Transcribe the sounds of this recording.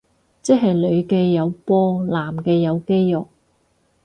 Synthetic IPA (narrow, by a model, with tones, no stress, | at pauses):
t͡sɛ˥k̚ɦɐ˨jlɵ˨˧ɥkɛː˧jɐ˨˧wpɔː˧laː˨˩mkɛː˧jɐ˨˧wke˥jːʊ˨k̚